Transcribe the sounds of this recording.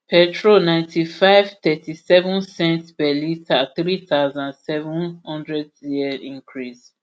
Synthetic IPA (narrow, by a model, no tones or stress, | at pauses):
pʰɛtʰɹolnãɪ̃ntʰifaɪvt̪ɛtʰisɛvũnsɛ̃ntpɛlitaθɹit̪aʊzãnsɛvũnhɔ̃ndɹɛdjiɛĩŋkʰɹis